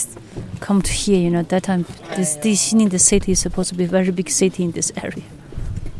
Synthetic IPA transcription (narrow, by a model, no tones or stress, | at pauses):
kʰʌ̃mtʰu̥hiəjɨnoʊðɨtʰːãɪ̃mðɨsdiʃĩnɪ̃ŋðɨsɪtʰiɨz̥səpʰoʊz̥tʰubiəvɛɹibɪɡ̥sɪtʰiɪ̃nðɪsɛ̰ɹiə